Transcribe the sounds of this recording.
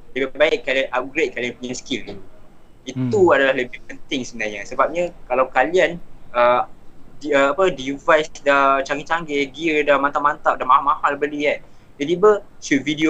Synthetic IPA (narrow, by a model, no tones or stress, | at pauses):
dibbbaɪʔ̚kalianʔap̚ɡɾet̪̚kalianpəɲanskil | it̪uadalahləbihpənt̪ɪŋsəbənarɲasəbap̚ɲakalawkalianədiəapədivajsdat͡ʃaŋɡit͡ʃaŋɡɛɡiədamant̪aʔmãnt̪aʔ̚damãɦamãhalbəliɛ | dət̪ibəʃut̚vidio